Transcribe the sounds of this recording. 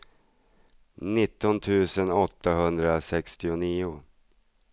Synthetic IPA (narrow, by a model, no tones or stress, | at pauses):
nɪt̪ːɔnt̪ʰʉ̟ːsənɔt̪ːaɦɵnd̪ɾasɛkst̪ɪʊniːʊ